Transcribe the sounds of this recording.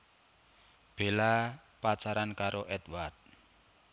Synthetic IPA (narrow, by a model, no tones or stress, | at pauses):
b̥e̤lapat͡ʃaɾankaɾoʔɛt̪ward̪̚